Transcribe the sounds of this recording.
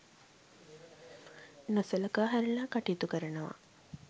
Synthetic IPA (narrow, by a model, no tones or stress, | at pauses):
nosɐlɐkaːɦæɾɐlaːkaʈiːt̪ukəɾənəʋa̰